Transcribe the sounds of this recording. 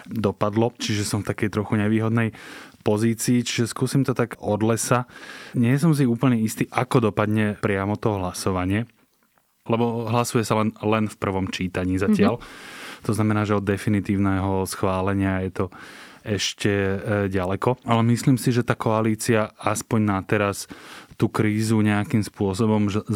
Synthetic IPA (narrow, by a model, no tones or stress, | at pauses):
d̪ɔpad̪lɔt͡ʃiʒɛsɔ̃ɱft̪akɛjt̪ɾɔxuɲɛʋiːɦɔd̪nɛjpɔziːt͡siːt͡ʃi̥ʒɛskuːsimt̪ɔt̪aɡʔɔd̪lɛsaɲɪɛs̬ɔms̬iuːpl̩ɲɛist̪iːʔakɔd̪ɔpad̪ɲɛpɾɪamɔt̪ɔɦlasɔʋaɲɪɛ | lɛbɔɦlasujɛsalɛnlɛnfpr̩ʋɔmt͡ʃiːt̪aɲiːzacɪalt̪ɔznamɛnaːʒɛɔd̪ːɛfinit̪iːʊnɛːɦɔsxʋaːlɛɲɪajɛt̪ɔɛʃcɛɟalɛkɔalɛmisliːmsiʒɛt̪aːkɔaliːt͡siaaspɔɲnat̪ɛɾast̪uːkɾiːzuɲɛakimspʊɔs̬ɔbɔmʒɛ